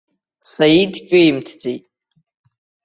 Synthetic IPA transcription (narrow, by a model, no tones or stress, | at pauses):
saidkʲʼʊjmtʰd͡zejtʼ